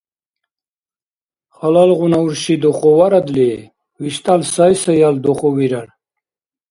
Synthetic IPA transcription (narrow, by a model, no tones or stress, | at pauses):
χalalʁunauɾʃid̪ɔχɔwaɾad̪li | viʃt̪ʼalsajsajald̪ɔχɔwiɾan